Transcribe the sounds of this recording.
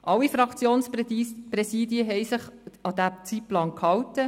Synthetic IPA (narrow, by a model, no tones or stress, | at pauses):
ʔɑlːifɾɑkt͡sjoːnsprɛsiːd̪jəɦɛjsɪχɑd̥̪æt͡sit̚plɑːnkhɑwtə